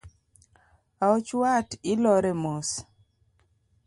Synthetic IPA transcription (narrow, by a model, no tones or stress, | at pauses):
aɔt͡ʃwatɪlɔɾɛmɔs